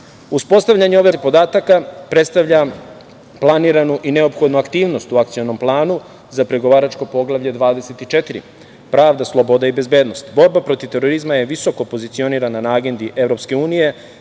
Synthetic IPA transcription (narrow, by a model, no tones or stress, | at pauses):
uspo̞st̪aʋʎaɲeo̞ʋepo̞d̪aːt̪akapɾe̞t̪st̪aʋʎa | plˠaniːɾanuʔine̞o̞pxo̞d̪nuakt̪iːʋno̞st̪uakt̪sijo̞no̞mplˠaːnu | zapɾeɡo̞ʋaːɾat͡ʃko̞po̞ɡlˠaʋʎe̞d̪ʋaːd̪e̞se̞t̪it͡ʃe̞t̪iɾḭ | pɾaːʋd̪aslˠobo̞d̪aibe̞zbe̞ːd̪no̞st̪bo̞ɾbapɾo̞t̪ivt̪e̞ɾo̞ɾizmaje̞ʋiso̞kopo̞zit̪sio̞niːɾananaaɡe̞nd̪iʔe̞vɾo̞pske̞uːnije̞